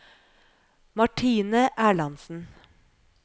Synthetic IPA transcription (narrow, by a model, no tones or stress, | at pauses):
mɑʈʰiːnəʔæːɭɑnsn̩